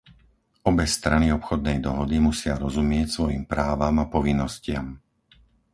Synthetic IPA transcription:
ɔbɛst̪ɾaniɔpxɔd̪̚nɛjd̪ɔɦɔd̪imusɪaɾɔzumɪɛcsʋɔjimpɾaːʋamapɔʋinːɔscɪam

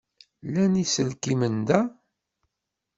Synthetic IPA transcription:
lænisəlkimənd̪æ

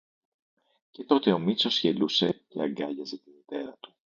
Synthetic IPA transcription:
ce̞t̪o̞t̪e̞o̞mit͡so̞sçe̞luse̞ceɐŋɡɐʝɐzet̪imit̪e̞ɾɐt̪u̥

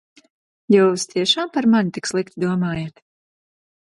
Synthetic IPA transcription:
juːst̪iɛʃaːmpaɾmanit̪ikslˠikt̪ʲid̪uɔmaːjat̪

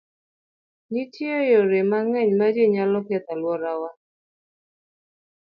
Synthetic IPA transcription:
ɲɪtiɔjɔɾemaŋɛɲmad͡ʒeɲalɔkɛt̪alwɔɾawa

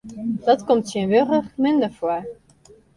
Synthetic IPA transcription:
d̥ɑtkɔmtsənʋøʁəχmɪndəfoə

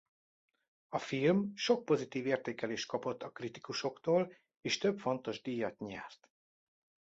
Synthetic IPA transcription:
ɒfilmʃo̞k̚po̞zit̪iːveːrt̪eːkɛleːʃt̪kɒpo̞t̪ːɒkrit̪i̥kuʃo̞kt̪oːl | eːʃt̪ø̞bfo̞nt̪o̞ʒd̪iːjɒt̪ɲɛrt̪

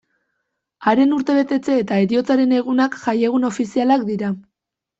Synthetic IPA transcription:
aɾe̞nuɾt̪e̞βe̞t̪e̞t͡se̞ːt̪ae̞ɾio̞t͡saɾe̞ne̞ɣ̞unakʝaje̞ɣ̞uno̞fisialak̚d̪iɾa

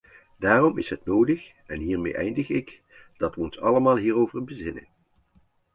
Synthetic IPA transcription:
daːrɔmɪ̰sɦətnowdəx | ɛnɦiːɹmḛjʔɛjndəχɪk | d̥ɑtʋəɔnsɑləmaːlˠɦiːrowvərbəzɪnə̰n

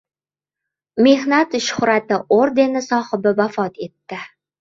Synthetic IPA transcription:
me̞hnat̪ʃʊ̥hʊɾat̪ɪʔoɾd̪e̞nɪsɒhɪbɪvafɒt̪e̞t̪ːɪ

